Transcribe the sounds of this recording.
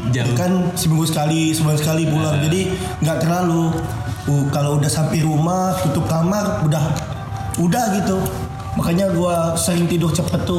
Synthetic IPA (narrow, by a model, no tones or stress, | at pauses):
akansəmiŋɡusə̥kalisəbulaŋsəkalipulaŋd͡ʒadi | ŋɡaʔk̪əlalu | kaloudahsampajɾumaht̪ut̪ʊp̚kamarudah | udahɡit̪u | makaɲaɡuasəɾɪŋt̪idɔht͡ʃəpət̪ːu